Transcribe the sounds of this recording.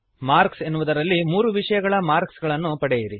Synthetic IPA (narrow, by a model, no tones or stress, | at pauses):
maːɾkse̞nːuʋud̪ɐɾɐlːimuːɾuʋiʂɐjɐɡɐɭɐmaːɾksɡɐɭɐnːupɐɽejiɾi